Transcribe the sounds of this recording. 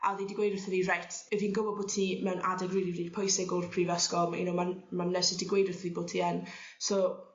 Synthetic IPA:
a̰ðidɪɡwejdərθəðirajtʰɛviːnɡəvɔboːtʰnimɛwnʔa̰dɛɡriːlˠiriːd̥pʰɔjsɪɡɔrpʰriːvɛskɔmḭnowmanmanːɛsɪdɪɡwejdərθəðiboːtʰiɛn | so

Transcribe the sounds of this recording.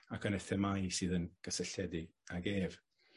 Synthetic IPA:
akʰənɛθɛmajsɨːðənɡ̥əsɛɬɛdɪaɡeːv

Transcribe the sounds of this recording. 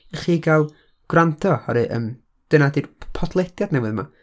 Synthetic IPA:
χiːɡalˠ | ɡ̥rantʰɔhɔɾɨʔə̰ːm | d̥ənadirpʰɔtʰlˠɛdjad̥nɛwɨðma̰

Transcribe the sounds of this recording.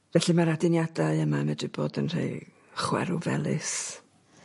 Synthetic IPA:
vɛɬimaɾadɪnjadaɨəmamɛdrɪboːdənr̥ḛj | χwɛ̰ɾʊvɛ̰lˠɨ̰s

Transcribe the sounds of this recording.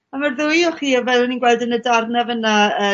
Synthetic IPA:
amarðʊjɔχiːavɛlˠəninɡwɛlˠdənədarðnɛvənaə

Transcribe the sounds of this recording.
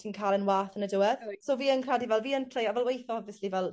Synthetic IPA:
tʰiːnkʰaːlˠənwaːθənədʊwəðsoːviːənkʰradivɛlˠviːəntʰr̥ejavɛlˠwejθɔɔbvjəslivɛlˠ

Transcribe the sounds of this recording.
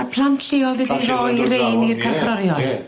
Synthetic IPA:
apʰlˠantʰlɪɔlˠvɛdirɔjɾejnirkʰaχraɾjɔl

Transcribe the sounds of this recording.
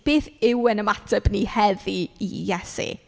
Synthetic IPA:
b̥eːθɪwənəmatʰəbnihɛðiḭjɛsḭ

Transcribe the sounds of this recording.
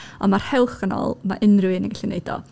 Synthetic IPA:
ɔnmar̥hɛlˠχənɔ̰lˠmaʔɪnrɨwɨnənɡaɬineɨdɔ̰

